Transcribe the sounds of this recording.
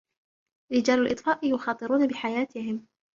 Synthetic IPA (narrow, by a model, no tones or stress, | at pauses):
ɾɪd͡ʒaːlʊlʔɨ̰t̪ˤfɑːʔɪjʊxɑːt̪ˤɨɾuːnabɪħajaːt̪ɪhɪm